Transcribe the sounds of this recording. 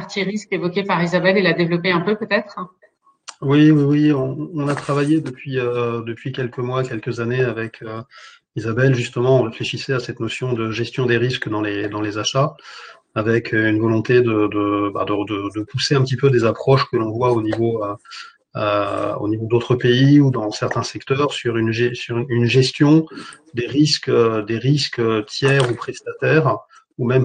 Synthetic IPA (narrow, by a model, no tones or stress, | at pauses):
aʁt̪iʁiskevɔkʲepaʁizabɛlelad̪evlɔpeɛ̃pøpøt̪ɛt̪χ | wiwiwiɔ̃ːnat̪χavajed̪əpɥiød̪əpɥikʲɛlkəmwakʲɛlkəzaneavɛkʰø | izabɛlʒyst̪əmɑ̃ɔ̃ʁefleʃisɛasɛt̪nɔsjɔ̃d̪əʒɛst̪jɔ̃d̪eʁiskd̪ɑ̃led̪ɑ̃lezaʃaː | vɛkʰøynvɔlɔ̃t̪ed̪əd̪əba̰d̪əd̪əd̪əpuseɛ̃pət̪ipød̪ezapχɔʃkəlɔ̃vwaonivoø | øo̰nivod̪ot̪χəpeiud̪ɑ̃sɛʁt̪ɛ̃sɛkt̪œʁsyʁynʒɛsyʁynʒɛst̪jɔ̃ | d̪eʁiskd̪eʁiskət̪jɛʁupχɛst̪at̪ɛʁ | umɛm